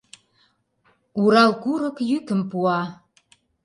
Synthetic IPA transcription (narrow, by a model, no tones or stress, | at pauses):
uɾɑlˠkuɾə̆kjykə̆mpuɑ